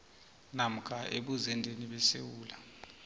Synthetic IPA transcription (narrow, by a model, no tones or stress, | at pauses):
nam̩kʰʼaʔeɓuzɛndʱeniɓɛsewuːla